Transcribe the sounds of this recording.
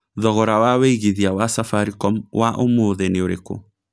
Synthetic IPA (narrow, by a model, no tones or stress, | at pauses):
ðɔɣɔɾawaweiɣiðiawasafaɾikɔmwaʔomoːðeneoɾeko̰